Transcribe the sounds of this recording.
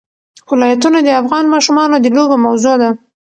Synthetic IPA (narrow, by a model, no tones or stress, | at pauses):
wɪlɑjat̪unad̪əafɣɑnmɑʃumɑnod̪əloɡomawzod̪a